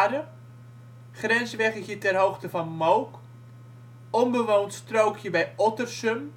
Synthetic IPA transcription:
ɾə | χrɛnsʋɛkəɣjətɛrɦoːxtəfɔnmowk | ɔmbəʋoːntstrowkʰjəbɛjɔtərsøm

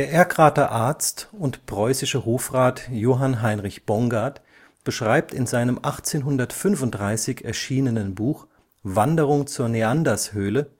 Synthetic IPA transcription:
d̥eːɐʔeːɐkʁaːtɐʔaɐt͡stʊntpʁ̥ɔʏsɪʃəɦoːfʁaːtjoːɦanɦaɪnʁɪçb̥ɔŋɡaɐt | b̥əʃʁ̥aɪp̚tɪnzaɪnəmʔaχt͡seːnɦʊndɐtfʏnfʊnt̚d̥ʁaɪsɪçɛɐʃiːnənənbuːx | vandəʁ̞ʊŋt͡suːɐneandashøːlə

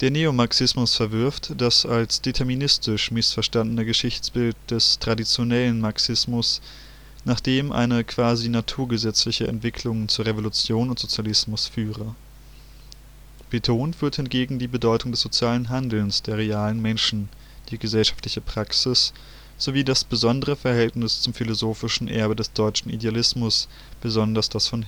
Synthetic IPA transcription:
d̥eːɐneːomaɐksɪsmʊsfɛɐvɪɐftd̥asalsd̥etʰɛɐminɪstɪʃmɪsfɛɐʃtandənəɡəʃɪçt͡sb̥ɪlt̚d̥ɛstʁ̥adit͡sjonɛlənmaɐksɪsmʊs | naːχd̥eːmʔa̰ɪnəkv̥aːzinatʰuːɐɡəzɛt͡slɪçəʔɛ̰ntv̥ɪkʰlʊŋt͡suːɐʁevolut͡sjoːnʊntz̥ot͡sjalɪsmʊsfyːʁə | b̥etʰoːntv̥yːɐthɪntɡ̥eːɡŋ̩diːbədɔʏtʊŋdɛsz̥ot͡sjaːlənɦandl̩nsd̥eːɐʁ̞eaːlənmɛnʃn̩ | d̥iːɡəzɛlʃḁftlɪçəpʁ̥aksɪs | z̥oviːdasb̥əzɔndəʁ̞əfɛɐhɛltnɪst͡sʊmfilozoːfɪʃn̩ʔɛɐbədɛsd̥ɔʏt͡ʃn̩ḭdealɪsmʊs | b̥əzɔndɐsd̥asfɔn

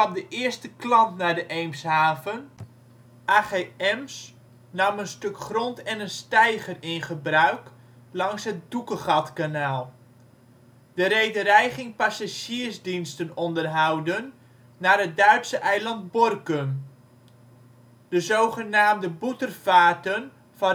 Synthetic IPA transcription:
ɑmdəʔɪərstəklɑntnaːdəʔejmshaːvən | ʔaːχeːɛms | nɑmənstøkχrɔntɛnənstɛjχərɪnχəbrœɥk | lɑŋsɦət̚dukəχɑtkanaːlˠ | d̥əɾejdəɾɛjχɪŋpasaʒiːrzdinstənɔndərɦɑwdənː | aːrɦət̚dœɥtsəʔɛjlɑnt̚bɔrkəm | dəzowχənaːmdəbutərfaːtən | fɑ

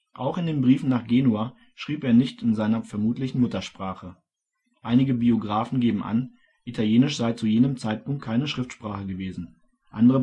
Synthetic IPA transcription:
ʔaʊxɪndeːnbʁiːfn̩naːχɡ̥eːnuaː | ʃʁ̥iːpeːɐnɪçtɪnzaɪnɐfɛɐmuːtlɪçn̩mʊtɐʃpʁ̥aːχə | ʔaɪnɪɡəbioɡʁaːfn̩ɡeːbm̩ʔa̰n | ʔitʰaljeːnɪʃz̥aɪt͡sujeːnəmt͡saɪt̚pʊŋkt̚kʰaɪnəʃʁ̥ɪftʃpʁ̥aːχəɡəveːzn̩ | ʔa̰ndəʁə

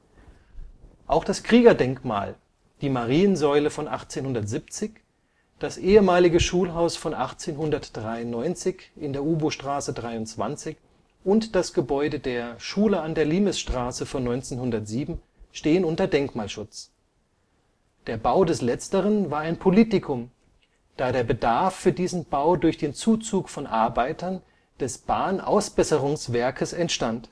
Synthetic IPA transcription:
ʔaʊxd̥askʁ̥iːɡɐdɛŋkma̰ːl | d̥iːmaʁiːənzɔʏləfɔnʔa̰χt͡seːnhʊndɐtz̥ip̚t͡sɪç | d̥asʔeːəmaːlɪɡəʃuːlɦaʊsfɔnʔaχt͡seːnɦʊndɐtd̥ʁaɪʊnnːɔʏnt͡sɪçʔɪndeːɐʔuːboʃtʁ̥aːsədʁaɪʊnt͡sv̥a̰nt͡sɪç | ʔʊntd̥asɡ̥əbɔʏdədeːɐʃuːləandeːɐliːməsʃtʁ̥aːsəfɔnːɔʏnt͡seːnhʊndɐtz̥iːbm̩ | ʃteːənʊntɐdɛŋkmaːlʃʊt͡s | d̥eːɐbaʊdɛslɛt͡stəʁ̞ənvaːɐaɪnpʰoliːtɪkʰʊm | d̥aːɾeːɐbədaɐfyːɐdiːzn̩b̥aʊdʊɐçd̥eːnt͡suːt͡suːkfɔnʔaɐbaɪtʰɐn | d̥ɛsb̥aːnʔa̰ʊsb̥ɛsəʁʊŋsv̥ɛɐkʰəsɛntʃtant

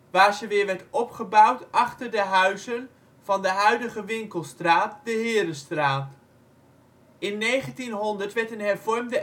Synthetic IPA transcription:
ʋaːɹzəʋɪːɹʋɛɹtɔpχəbɑwtʔɑχtəɹdəɦœɥzən | v̥ɑndəɦœɥdəχəʋɪŋkəlˠstraːt̚dəɦɪːɾəstraːt | ɪnːejχəntinɦɔndəɹtʋɛɹtənɦɛɹvɔɹmdə

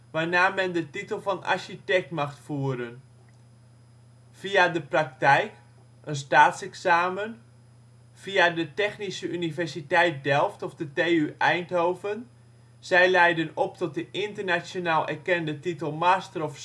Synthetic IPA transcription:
ʋaːnaːmɛndətitəlˠfɑna̰ɹʃitɛk̚tmaxtfuəɾən | fiadəprak̚tɛjk | ənstaːtsɛksaːmən | fiadətɛxnisəynivɛrsitɛjt̚dɛlˠftɔfdəteːyʔɛjntɦowvən | z̥ɛjlɛjdənɔptɔt̚dəʔɪntərnasjonaːlˠʔɛ̰rkɛndətitəlˠmaːstərɔf

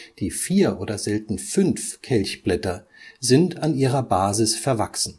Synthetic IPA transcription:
d̥iːfiːɐʔoːdɐzɛltn̩fʏnfkʰɛlçb̥lɛtɐ | zɪntʰanʔiːʁɐbaːzɪsfɛɐvaksn̩

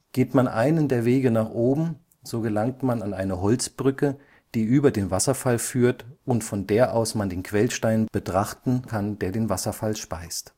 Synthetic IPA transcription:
ɡ̥eːtmanʔa̰ɪnəndeːɐveːɡənaːχʔoːbm̩ | z̥oːɡəlaŋtmananaɪnəɦɔlt͡sb̥ʁʏkə | d̥iːʔyːbɐdeːnvasɐfalfyːɐtʊntfɔndeːɐʔaʊsmandeːnkv̥ɛlʃtaɪnb̥ətʁ̥aχtn̩kʰandeːɐdeːnvasɐfalʃpaɪst

